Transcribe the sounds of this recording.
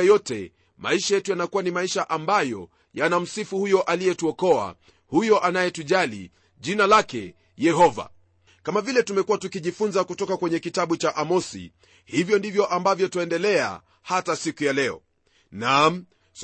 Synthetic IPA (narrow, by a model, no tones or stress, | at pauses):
jɔtɛ | ma̰iʃajɛtujanakuwanimaiʃaʔambajɔ̰ | janam̩sifuhujɔʔalijɛtuɔkɔa̰ | hujɔʔanajɛtuʄalḭ | ʄinalakɛ | jɛɦɔva̰ | kamavilɛtumɛkuwatukiʄifunzakutɔkakwɛɲɛkitaɓut͡ʃaʔamɔsḭ | hivjɔndivjɔʔambavjɔtɔɛndɛlɛa̰ | hatasikujalɛɔ̰ | nam̩ | s